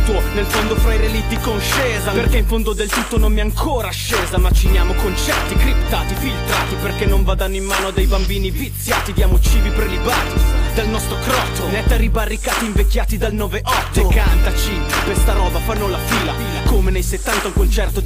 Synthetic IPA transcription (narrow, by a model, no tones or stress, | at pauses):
t̪onelfond̪ofɾajɾelit̪ːikonʃɛːzaperkeiɱfond̪od̪elt̪ut̪ːononmiɛaŋkʰoːɾaːʃːɛːzamat͡ʃːinjaːmokont͡ʃɛrt̪ikɾipt̪aːt̪ifilt̪ɾaːt̪iperk̟enːoɱvaːd̪anːoimːaːnoad̪ejbambiːnivit̪sːjaːt̪id̪jaːmot͡ʃiːvipɾelibaːt̪id̪elnɔst̪ɾokɾɔt̪ːonɛt̪ːaɾibarːikaːt̪iɱvekːjaːt̪id̪alnɔːveʔɔt̪ːkant̪at͡ʃi | pest̪aɾɔːbafanːolafiːla | akomenejset̪ːant̪aukont͡ʃɛrt̪o